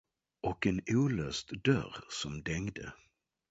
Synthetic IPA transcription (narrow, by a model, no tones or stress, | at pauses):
ʔɔkɛnuːløːst̪d̪œ̰ɾsɔmd̪ɛŋd̪ə̰